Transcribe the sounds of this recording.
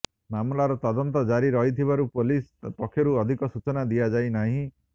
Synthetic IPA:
mamlaɾɔt̪ɔd̪ɔnt̪ɔd͡ʒaɾiɾɔɦit̪ʰibaɾupolispɔkʰːjɔɾuɔd̪ʱikɔsut͡ʃɔnad̪iad͡ʒajnaɦĩ

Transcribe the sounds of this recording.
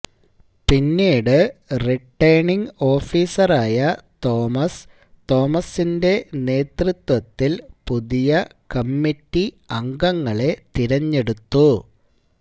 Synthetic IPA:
pinːiːɽɨriʈːɐjɳiŋɡo̞ːfiːsɐraːjɐt̪o̞ːmɐs | t̪o̞ːmɐsinde̞ne̞ːt̪rut̪wɐt̪ːilpuðijɐkɐmːitːi | ɐŋɡɐŋːɐɭe̞t̪iɾɐɲːe̞ɽut̪ːu

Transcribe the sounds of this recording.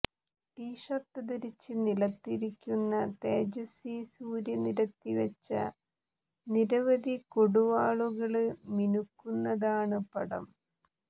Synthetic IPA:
ʈiːʂɐt̪ːɐðiɾit͡ɕːɨnilɐt̪ːiɾikʲːunːɐt̪eːd͡ʑɐsisuːɾjɐniɾɐt̪ːiʋɐt͡ɕːɐ̰ | niɾɐʋɐd̪ikoɽuʋaːɭuɣɐɭɨminukːunːɐðaːɳɨpɐɽɐ̰m

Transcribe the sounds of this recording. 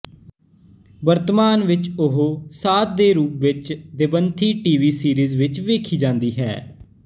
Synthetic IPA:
bəɾt̪əmaːnʋɪt͡ʃʊɦoːsaːt̪̚d̪eːɾuːpʋɪt͡ʃd̪ɪbənt̪ʰiːʈiːʋiːsiːɾiːzʋɪt͡ʃʋeːkʰiːd͡ʒãːnd̪iːɦɛ̰ː

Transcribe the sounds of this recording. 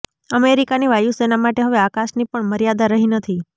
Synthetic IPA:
əmeɾikaniʋajusenamaʈeɦəʋeakaʃnipəɳməɾjad̪aɾəɦinət̪ʰi

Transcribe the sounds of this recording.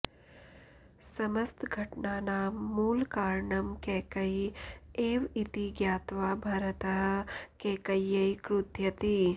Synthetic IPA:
sɐmɐst̪ɡʱɐʈɳaːnaːmːuːlkaːɾɳɐmkeːkɐjeːʋit̪iɡjaːt̪ʋaːbʱɐɾɐt̪ɐɦɐ̆keːkɐjːɐjkɾud̪ʱjɐt̪i

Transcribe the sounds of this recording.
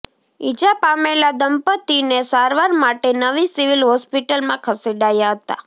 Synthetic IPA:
id͡ʒapamelad̪əmpət̪inesaɾʋaɾmaʈenəʋisiʋilɦɔspiʈəlmãkʰəseɖajaɦət̪a̰

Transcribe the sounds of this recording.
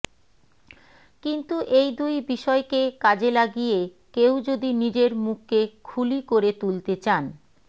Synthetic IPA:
kint̪uʔejd̪ujbiʃɔekekad͡ʑelaɡije | kewd͡ʑod̪inid͡ʑeɾmuk̚ʰːekʰulikoɾet̪ult̪et͡ɕan

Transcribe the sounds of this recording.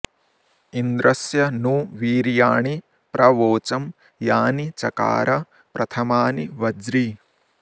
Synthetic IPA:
ind̪ɾɐsjɐnuːʋiːɾjaːɳi | pɾʔɐʋoːt͡ʃɐm | jaːnit͡ʃɐka̰ːɾɐ | pɾɐt̪ʰɐmaːniʋɐd͡ʒɾi

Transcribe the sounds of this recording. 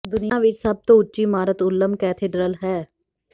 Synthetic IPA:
d̪ʊnɪãːʋɪt͡ʃsəb̚t̪õːʊtːʃiːmaːɾət̪ʊlːəmkɛːt̪ʰeːɖɾəlɦɛː

